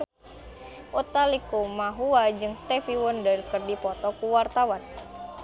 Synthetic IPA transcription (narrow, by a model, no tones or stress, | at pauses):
ʔut̪alikumaɦuad͡ʒɨŋst̪ɛfiwɔndərkɨrdipɔt̪ɔkuwart̪awan